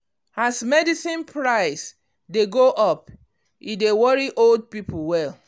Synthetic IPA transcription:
asmɛdisĩnpʰɹaɪs | deɡoʔɔp | idewɔɹiʔold̚pipl̩wɛl

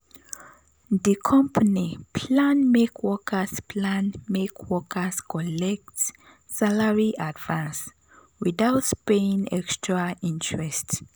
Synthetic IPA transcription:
ðəkʰɔ̃mpʰanipʰlãnmekʰwɔkʰəspʰlãnmekʰwɔkʰəskʰɔlɛk̚ts | salaɹiʔadvãns | wiðaʊtpeĩŋɛ̰kstʰɹaĩntʰɹɛst

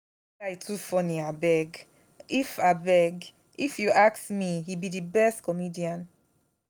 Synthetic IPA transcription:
ajtʰufɔniabɛɡ | ifabɛɡ | ifjuaksmihibidibɛstkʰɔmidiãn

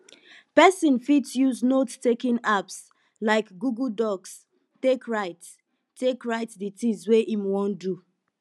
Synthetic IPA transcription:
pɛsĩnfitsjuznottekĩnaps | laɪkɡuɡuldɔks | tekɹaɪt | tʰekɹaɪtditĩsweʔimwɔ̃ndu

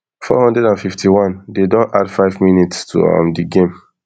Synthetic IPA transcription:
fɔ̰hɔ̃ndɹɛdãnfiftiwãndedɔ̃nʔa̰dfaɪvminitstʰṵã̰mdiɡẽm

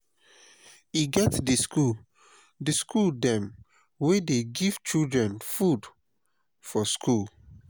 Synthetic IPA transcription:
iɡɛtdiskul | dəskʰuldɛ̃m | wedeɡiv̥t͡ʃildɹɛ̃nfud | fɔskʰul

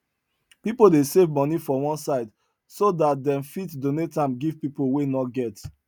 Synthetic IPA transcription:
pipodesevmɔnifɔwɔ̃nsaɪd | sodat̚dɛ̃mfitdonetãmɡivpipowenɔtɡɛt

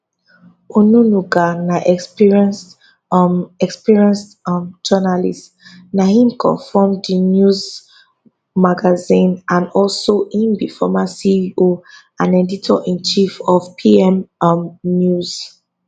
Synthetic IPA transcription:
onunuɡanaʔɛkspiɹiɛ̃ns | ɛkspiɹiɛ̃nstmd͡ʒɔnalist | nahĩmkʰɔ̰fɔmdinjuz | maɡazĩnãnɔlsoʔĩnbifɔmãsiio | ãneditʰɔ̰ʔĩnt͡ʃifɔfpʰiɛ̃mmnjuz̥

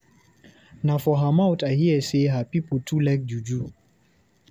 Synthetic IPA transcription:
nafɔɦamaʊtahiəseɦapipotʰulak̚d͡ʒud͡ʒu

